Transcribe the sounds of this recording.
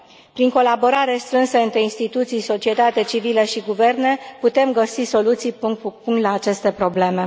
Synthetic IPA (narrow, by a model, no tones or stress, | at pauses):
pɾiŋko̞labo̞ɾaɾe̞st̪ɾɨnsəɨnt̪ɾe̞inst̪it̪ut̪sijso̞t͡ʃie̞t̪at̪et͡ʃiviləʃiɡuve̞rne̞put̪e̞mɡəsiso̞lut̪sijpupuŋt̪laːt͡ʃe̞st̪e̞pɾo̞ble̞me̞